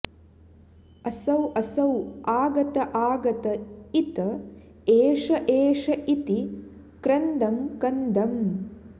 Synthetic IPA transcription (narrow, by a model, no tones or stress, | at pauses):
ɐsɐwʔɐsɐwaːɡɐt̪ɐʔaːɡɐt̪ɐit̪ɐ | eːʂɐʔeːʂɐʔit̪i | kɾɐnd̪ɐmkɐnd̪ɐm